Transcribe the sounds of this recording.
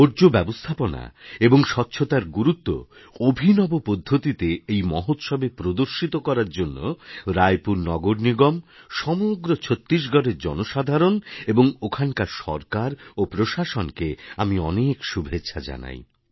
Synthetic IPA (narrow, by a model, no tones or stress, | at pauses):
oɾd͡ʑobɛbost̪ʰapona̰eboŋʃɔtːɕʰot̪aɾɡuɾut̪ːo̰ | obʱinɔbopod̪ʱːot̪it̪eejmɔɦot̪ʃɔbepɾod̪oɾʃit̪okɔɾaɾd͡ʑonːo̰ɾajpuɾnɔɡoɾniɡɔmʃɔmoɡɾot͡ɕʰot̪ːɾiʃ̬ɡʱɔɾeɾd͡ʑɔ̰noʃad̪ʱaɾoneboŋokʰankaɾʃɔ̰ɾkaɾopɾoʃaʃonkeamiɔnekʃubʱetːɕʰad͡ʑa̰na̰j